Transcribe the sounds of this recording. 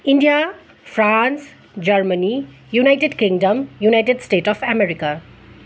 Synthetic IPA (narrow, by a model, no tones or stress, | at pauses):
iɳɖija | fʰɾãns | d͡ʒʌɾməni | junajʈeɖkiŋɖəmjunajʈeɖsʈeːʈɔfʰɛmeɾika